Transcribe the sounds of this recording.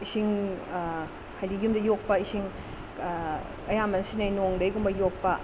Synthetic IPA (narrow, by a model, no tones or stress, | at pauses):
isiŋ | hajdijumdɐjok̚pɐisiŋ | ɐjambɐnsinajnoŋdɐjɡumbɐjok̚pɐ